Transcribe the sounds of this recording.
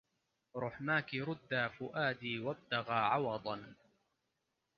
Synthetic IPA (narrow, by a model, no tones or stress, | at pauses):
ɾˤʊħmaːkɪɾˤʊd̪ːaːfʊʔaːd̪iːwab̚t̪aɣaːʕɑwɑd̪ˤɑn